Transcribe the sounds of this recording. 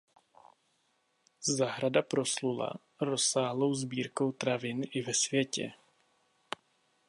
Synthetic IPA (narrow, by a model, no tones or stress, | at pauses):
zaːɦɾadapɾo̞slula̰ | ɾo̞saːɦlo̞wzbiːɾko̞wt̪ɾavɪnʔɪvɛsvjɛcɛ̰